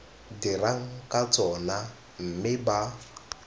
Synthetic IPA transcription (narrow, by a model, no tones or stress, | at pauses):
diɾaŋ̩kʼat͡sʼɔna | m̩mɪba